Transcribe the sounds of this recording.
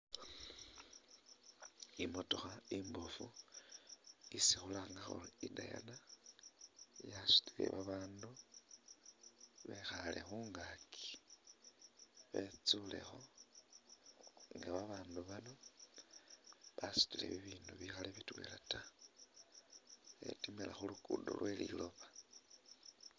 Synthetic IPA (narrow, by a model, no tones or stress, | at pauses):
imo̞to̞xaimbofu | isixulaŋɡaxo̰lidaja̰na | jasu̥tilḛβaβaːndu | βe̞xalʔexuːŋɡakʰi̥ | βet͡sule̞̰xo̞ | ŋɡaβaβaːnduβano̞ | βasu̥tilḛβiβiːnduβixaleβitwe̞̰ːlata | ḛtimilaxulukuːdo̰lwe̞lḭlo̞βa